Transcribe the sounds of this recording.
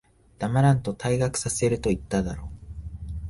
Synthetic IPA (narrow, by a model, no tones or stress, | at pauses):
d̪̥amaɾãnt̪o̞t̪ʰaiɡakɯ̟̥sase̞ɾɯ̟t̪o̞it̪ːad̪aɾo̞ː